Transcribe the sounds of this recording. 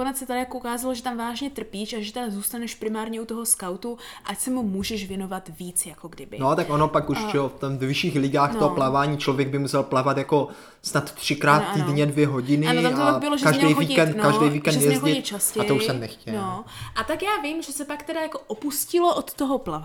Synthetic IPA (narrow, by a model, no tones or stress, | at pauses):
konɛt͡ssɛt̪adɪjakoukaːzaloʒɛt̪amvaːʒɲɛt̪r̩piːʃaʒɛt̪ɛdazuːst̪anɛʃpɾɪmaːɾɲɛut̪oɦoskawt̪uʔacsɛmumuːʒɛʃvjɛno̞vat̪viːt͡sjakoɡdɪbɪnot̪akʔonopakuʃʒɛoft̪ɛmvɛvɪʃiːxlɪɡaːxt̪ooplavaːɲiːt͡ʃlovjɛɡ̚bɪmusɛlplavat̪jako̞ | snat̪t̪r̥ɪkɾaːt̪t̪ːidɲɛdvjɛɦo̞ɟɪnɪt̪amt̪opaɡbɪloʒɛkaʒɛɲɛdejxoviːɛnt̪nkaʒddejviːkɛnd̪jɛzoɪtɲɛt͡ʃascɛaj̪ouʃssɛmnɛxcɛnoʔat̪akjaːvimʒɛsɛpakt̪ɛdajako̞ʔopuscɪloʔot̪ːoɦoplav